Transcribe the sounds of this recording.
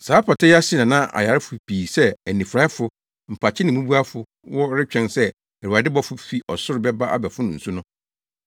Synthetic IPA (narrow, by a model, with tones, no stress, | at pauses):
saː˨˦pʰa˨tʰɛ˦ja˦sɪ˦nã˨nã˦ʔa̰˨ja˨ɾɪ˦fʊ˨piː˨sɛ˦ɛ˨nĩ˨fɾa˦fʊ˨ | m̩˨pʰa˨t͡ɕʰɪ˦nɪ̃˨mũ˦bu˦a˦fʊ˨ | wɔ˦ɾɪ˦t͡ɕᶣɛ̃˨nsɛ˦ | ɛ˨ɾu˨a˨dɪ˦bɔ˦fʊ˦fi˦ʔɔ˨sʊ˦ɾɪ˦bɛ˦ba˦ʔa̰˦bɛ˨fʊ˦nʊ̃˨n̩˨su˦nʊ̃˦